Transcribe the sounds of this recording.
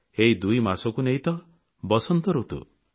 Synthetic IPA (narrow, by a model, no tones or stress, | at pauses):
eɦid̪ujmasɔkuneɦit̪ɔ | bɔsɔnt̪ɔɾut̪ṵ